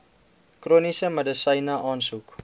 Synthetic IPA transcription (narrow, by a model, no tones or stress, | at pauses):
kruːnisəmədəsəjnəʔɑːnsuk